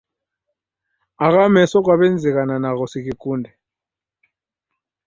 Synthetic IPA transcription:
ak̬amɛsɔk̬waɓɛnd͡zʱɛk̬ananak̬ɔsik̬ikuːndʱɛ

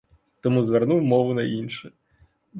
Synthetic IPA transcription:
t̪ɔmuzʋɛrnuwmɔʋʊnɐinʃɨ

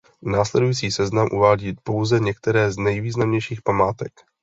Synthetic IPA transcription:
naːslɛdujit͡siːsɛznamʔuvaːɟiːpo̞wzɛɲɛkt̪ɛɾɛːznɛjviːznamɲɛjʃiːxpamaːt̪ɛk

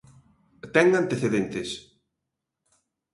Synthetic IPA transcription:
t̪ɛŋant̪eθeðent̪ɪs

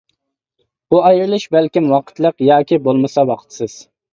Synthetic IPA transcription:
buɑjɾɨlˠɨʃbælkʲimwɑqʰə̥t̪lˠəqjɑːkʲibolˠmɨsɑwɑqʰə̥t̪sɨz̥

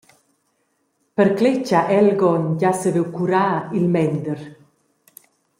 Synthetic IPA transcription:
pəɾklet͡ʃaʔɛlɡɔnɟasəvewkuɾaːilmɛnd̪əɾ

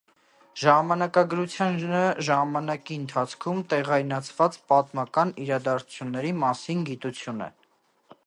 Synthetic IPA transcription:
ʒɑmɑnɑkɑɡəɾut͡sʰjɑnəʒɑmɑnɑkiənt̪ʰɑt͡sʰkʰumt̪ɛʁɑjnɑt͡sʰvɑt͡spɑt̪mɑkɑniɾɑd̪ɑɾt͡sʰu̥t͡sʰjunːɛɾimɑsinɡit̪ut͡sʰjunɛ̰

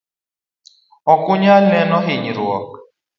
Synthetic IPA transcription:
ɔkuɲalɛnɔɦiɲiɾuɔk̚

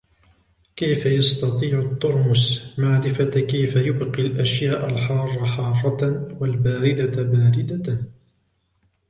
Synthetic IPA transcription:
kajfajɑst̪ɑt̪ˤiːʕʊt̪ːʊɾmʊsmaʕɾɪfakajfajʊbqilʔaʃjaːʔalħɑːrˤːɑħɑːrˤːɑwalbaːɾɪd̪abaːɾɪd̪a

